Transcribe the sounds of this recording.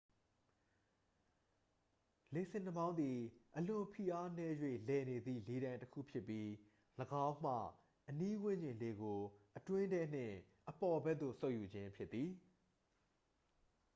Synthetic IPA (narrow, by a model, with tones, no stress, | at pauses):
le˨sʰɪ̃˨n̥əbã˦ʊ̃nd̪i˨ʔəlʊ̃˨pʰi˨ʔa˦nɛ˦jwḛ˦˨lɛ˨ne˨d̪ðḭ˦˨le˨ɾã˨ɪ̃ntəkʰṵ˦˨pʰjɪ˦pːji˦ | ləɡã˦ʊ̃m̥ä̰˦˨ | ʔəni˦wɪ̃˦˨ɲd͡ʑɪ̃˨nle˨ɡo˨ʔətwɪ̃˦dɛ˦n̥ɪ̰̃˦˨ | ʔəpɔ˨bɛ˦ʔd̪o̰˦˨so˦ʊʔju˨d͡ʑɪ̃˦mpʰjɪ˦t̪ːi˨